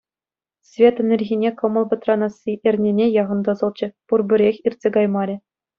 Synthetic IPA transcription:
svʲet̪ɘ̆nʲɘ̆rʲɣʲinʲekɤ̆mɤ̆lˠbʲɘ̆t̪rɑnɑsʲiʔĕrʲnʲenʲejɑʁɤ̆nd̪ɑzɤ̆lˠt͡ɕɘ̆purbʲɘ̆ɾʲexʲirʲtʲsʲeɡɑjmɑɾʲɘ̆

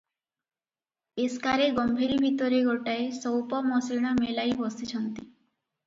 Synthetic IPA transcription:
eskaɾeɡɔmbʱeɾibʱit̪ɔɾeɡɔʈaesɔwpɔmɔsiɽ̃ɔmelajbɔsit͡ʃʰɔnt̪i

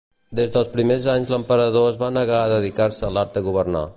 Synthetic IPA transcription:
d̪ezðəlˠspɾimezaɲzləmpəɾəðoəzβanəɣaðəðikaɾsəəlaɾt̪̚d̪əɣuβəɾna̰

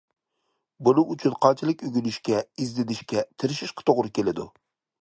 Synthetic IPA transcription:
bunɨʔːt͡ʃʰynqʰɑt͡ʃʰɪlˠɪkʲøɡʲynyʃkʲɛizd̪ɪd̪ɪʃkʲɛt̪ʰɪɾɪʃiʃqʰə̥t̪ʰoʁɾɨkʲʰelɪd̪ṵ

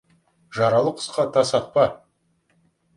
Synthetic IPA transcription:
ʒɑɾɑlˠəqʰə̥sqɑt̪ʰɑsɑt̪̚pɑ

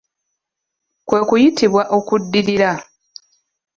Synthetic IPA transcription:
kwe̞ːkujitʰiβwaʔo̞kudːiɾiɾa

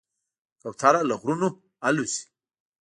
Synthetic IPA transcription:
kawt̪ʰaɾalaɣɾuno | alusi̥

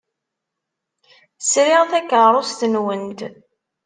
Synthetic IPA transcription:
sɾɪʁθækːəɾˤost̪ənwənt̪

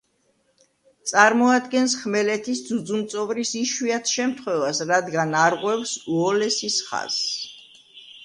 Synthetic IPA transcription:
t̪sʼaɾmɔad̪ɡɛnsχmɛlɛt̪ʰisd̪zud̪zumt̪sʼɔvɾisiʃwiat̪ʰʃɛmt̪ʰχwɛvasɾad̪ɡanaɾʁwɛfsuɔlɛsisχa̰z̥

